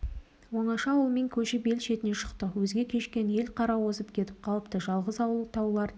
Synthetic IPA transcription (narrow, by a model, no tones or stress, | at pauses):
wonɑʃɑwəlˠmeŋkʲʰɵʃɪbe̞lʃe̞t̪ɪne̞ʃə̥qt̪əwɵzɡʲe̞kʲʰe̞ʃkʲe̞nje̞lqʰɑɾɑwo̞səp̚kʲʰe̞t̪ɪp̚qʰɑlˠəpt̪əʒɑlˠʁəzɑwəlˠt̪ʰɑwlˠɑɾ